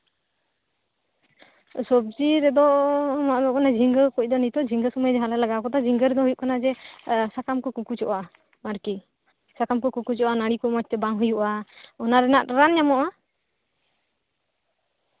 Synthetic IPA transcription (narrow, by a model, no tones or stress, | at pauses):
sɔb̚d͡ʒiɾɛd̪ɔmaʔbɔkanad͡ʒʱiŋɡəkuc̚ˀd̪ɔnit̪ɔd͡ʒʱiŋɡəsɔmajd͡ʒɛɦalalaɡakɔt̪ad͡ʒʱiŋɡəɾɛd̪ɔɦujuʔ̚kanad͡ʒɛsakamkɔkukut͡ʃɔʔa | maɾki | sakamkɔkukut͡ʃɔʔanaɽikɔmɔc̚t̪ɛbaŋɦujuʔaɔnaɾɛnaʔɾanɲamɔʔa